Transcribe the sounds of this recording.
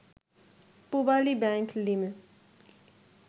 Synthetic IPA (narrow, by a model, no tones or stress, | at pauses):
pubaːlibɛ̃ːŋklime